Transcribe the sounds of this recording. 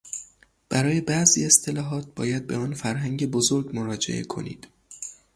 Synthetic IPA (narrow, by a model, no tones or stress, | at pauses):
b̥æɾɒːje̞bæʔzḭːest̪ʰe̞lɒːɦɒːt̪̚ʰbɒːjæd̪̚be̞ɒːnfæɾɦæŋɟe̞bo̞zo̞ɾɡmo̞ɾɒːd͡ʒḛʔe̞̰kʰo̞̰nḭːd̪̥